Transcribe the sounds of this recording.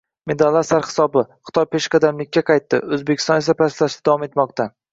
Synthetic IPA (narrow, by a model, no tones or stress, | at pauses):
me̞d̪alːaɾsaɾχɪ̥sɒbɪχɨ̥t̪ɒjpʰe̞ʃqɑd̪amlɪkʲːaqʰɑjt̪ːɪ̰ɵzbekʲɪ̥st̪ɒne̞s̬apʰaslaʃt̪ɪd̪avɒme̞t̪mɒqt̪ʰa